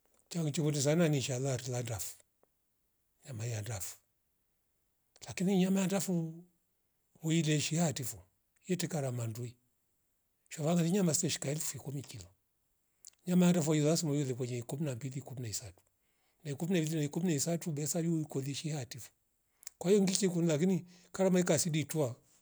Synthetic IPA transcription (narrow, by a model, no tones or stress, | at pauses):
t͡ʃaŋt͡ʃikɔndɛs̬ananiʃalaɾilandafu̥ | ɲamajandafu̥ | lakiniɲamajandafu | mɔilɛʃihatifu | jɛtɛkaɾamandui | ʃavaŋɡaniɲamasitɛʃi̥kaɛlufuikumikilɔ | ɲamajandafuɔjilasimɔjɔðɛk̬wɛɲɛikuminambilikuminaisatu̥ | naikuminabilinaikuminaisatubɛsajiuikɔðiʃihatifu̥ | kwaijɔŋɡikikunilak̬ini | kaɾamaikasiditua